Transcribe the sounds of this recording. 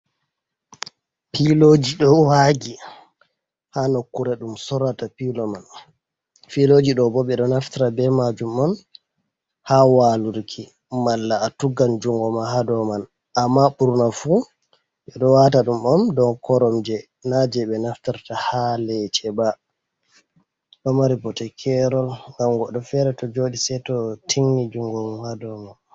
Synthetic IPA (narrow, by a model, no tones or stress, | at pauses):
pilod͡ʒiɗɔwaɡi | hanokːuɾɛɗumsɔɾatapilɔman | filoːd͡ʒiɗɔbɔɓɛɗɔnaftaɾabɛmad͡ʒumɔn | hawaluɾkʰi | malːaːtuɡand͡ʒuŋɡɔmaɦadɔman | ʔamːaɓuɾnafu | ʔɛɗɔwataɗumɔmdɔnkɔɾɔmd͡ʒɛ | nad͡ʒɛɓɛnaftaɾtahalɛt͡ʃɛba | ɗɔmaɾibɔtɛkʰɛɾɔlŋɡamɡɔɗɔfɛɾɛtɔd͡ʒoːɗisɛtɔtʰiŋːid͡ʒuŋɡɔmhadɔman